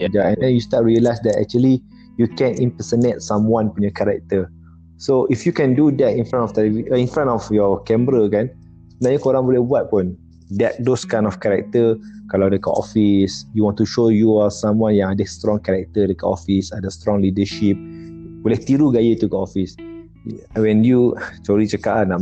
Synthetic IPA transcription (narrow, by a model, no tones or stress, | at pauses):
jd͡ʒaɛ̃ndɛ̃njustat̚ɹiəlajsdɛtɛ̰k̚t͡ʃuəli | jukɛ̃nĩmpəsənɛt̚sãmwãnpɔnjɔkɛɹɛk̚t̪ə | soʔifjukɛ̃ndudɛtĩnfɾãntɔft̪ɛliviĩnfɾãntɔfjɔkɛ̃mbɾəkɛ̃n | najukoɾãnwulɛbwat̚pɔ̃n | dɛt̚doskãj̃nɔfkɛɹɛk̚t̪əkalawdekɔ̰ʔɔfisjuwɔ̃ntuʃojuasãmwãnjãŋadəst̪ɹɔ̃ŋkɛɾɛk̚t̪ədekɔʔɔ̰fisadəst̪ɹɔ̃ŋlidəʃip̚wilak̚t̪iɾuɡajət̪ukɔʔɔfis | wɛ̃njut͡ʃɔɾit͡ʃəkaana